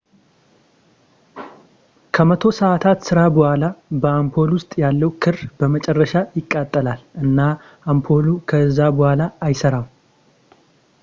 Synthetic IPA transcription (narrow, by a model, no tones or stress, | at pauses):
kʰəmət̪ʰo̞səat̪ʰat̪sɨɾabəhʷalabəampʰo̞lwʊst̪ʼjalːəwkʰɨrb̥əmət͡ʃʼɛrːəʃajɪkʼːat̪ʼːəlalʔɨnːa | ampʰo̞lukʰəɨzːabɔhalaːjsəɾam